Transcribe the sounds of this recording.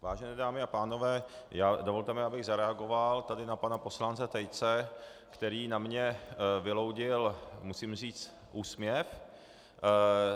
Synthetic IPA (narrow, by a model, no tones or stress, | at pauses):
vaːʒɛnɛːdaːmɪapaːno̞vɛːjaːdovo̞lt̪ɛmɪabɪɣzaɾɛaɡo̞valt̪adɪnapanapo̞slant͡sɛt̪ɛjt͡sɛ | kt̪ɛɾiːnamɲɛvɪlo̞wɟɪlmusiːmr̝iːt͡s | ʔuːsmɲɛf